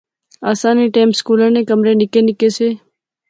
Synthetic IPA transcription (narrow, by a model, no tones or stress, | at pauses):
aːsaːniːʈeːmskuːlənẽːkəmɾeːnɪkeːnɪkeːseː